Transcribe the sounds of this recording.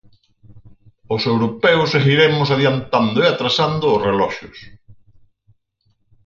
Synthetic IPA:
ʊsewɾopɛwʊseɣiɾemʊs̬aðjant̪and̪ʊeat̪ɾasand̪ʊːsrelɔʃʊ̰s

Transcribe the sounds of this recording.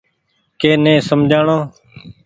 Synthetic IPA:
keːnẽːsəmd͡ʒʱaːɳoː

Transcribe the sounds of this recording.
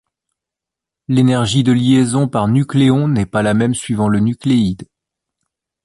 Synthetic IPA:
lenɛʁʒid̪əljezɔ̃paʁnykleɔ̃nɛpalamɛmsɥivɑ̃lənykleid̪

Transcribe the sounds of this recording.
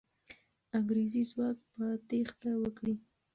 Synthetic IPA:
aŋɡɾezizwɑkpət̪ext̪awəkɽi

